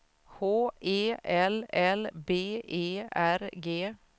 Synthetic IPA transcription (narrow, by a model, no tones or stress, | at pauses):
hoːʔeːʔɛlɛlbeːʔeːæɾɡeː